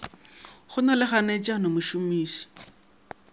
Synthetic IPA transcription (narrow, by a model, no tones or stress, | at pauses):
χʊnɔlɪχanet͡ʃʼanomʊʃumiːsɔ̥